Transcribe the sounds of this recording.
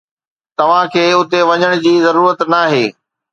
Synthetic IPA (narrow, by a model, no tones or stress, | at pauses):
t̪ɐʋ̤ãkʰeːʊt̪eʋɐɲəɽ̃ʊd͡ʑiːzɐɾuːɾət̪naːɦeː